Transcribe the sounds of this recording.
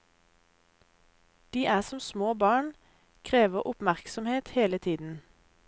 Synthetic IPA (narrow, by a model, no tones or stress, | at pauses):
d̪̥iːʔæːʁsɔmsmoːbɑːɳ | kʰʁeːʋəʁʔʊpmæʁksɔmheːt̪heːlət̪ʰiːd̪n̩